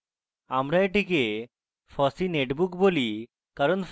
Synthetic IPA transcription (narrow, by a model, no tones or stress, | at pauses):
amɾaeʈike | fʰɔsineʈbukboli | kaɾonf